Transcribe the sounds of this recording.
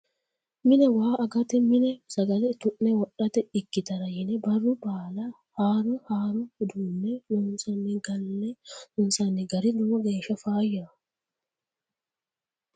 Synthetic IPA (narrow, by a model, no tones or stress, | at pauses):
mɪnɛwaːɐɡɐt̪ɛmɪnɛsɐɡɐlɛt̪ʊʔnɛwɔɗɐt̪ɛɪkːɪt̪ɐɾɐjɪnɛbɐrːʊbaːlɐ | haːɾɔhaːɾʊhɪd̪unːɛnɔnsɐnːɛɡɐlːɛhʊnsɐnːɛɡɐɾɪdʊmɔɡeːʃɐfaːjːɐ